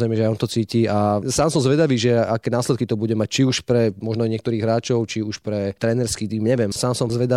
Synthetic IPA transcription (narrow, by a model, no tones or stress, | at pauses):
zɾɛjmɛʒɛajɔnt̪ɔt͡siːciasaːmsɔmzʋɛd̪aʋiːʒɛakɛːnaːslɛt̪kit̪ɔbuɟɛmac̚t͡ʃiuʃpɾɛmɔʒnɔaɲɪɛkt̪ɔɾiːɣɦɾaːt͡ʃɔʊt͡ʃiuʃpɾɛt̪ɾɛnɛɾskit̪iːmɲɛʋjɛmsaːmsɔmzʋɛd̪a